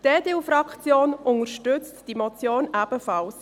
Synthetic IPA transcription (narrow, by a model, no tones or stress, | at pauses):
d̥eːd̥eufɾɑkt͡sjoːnʊnəɾʃtʏt͡std̥imɔt͡sjoːnab̥əfɑls